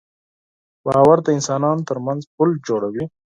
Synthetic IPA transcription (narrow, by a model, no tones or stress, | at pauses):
bɑːwaɾt̪aɪnsɑːnɑnot̪əɾmanzpʊld͡ʒoɽawi